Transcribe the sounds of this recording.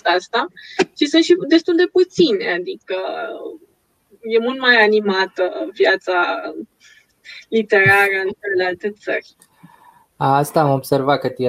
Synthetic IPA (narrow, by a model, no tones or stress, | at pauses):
ast̪at͡ʃisɨnt̪ʃid̪e̞st̪uld̪e̞put̪sinead̪ikə | je̞mult̪majanimat̪əvjat̪sa | lit̪e̞ɾaɾəɨnt͡ʃele̞lealt̪e̞t̪sə̰rʲ | aast̪aːmobse̞rvakət̪i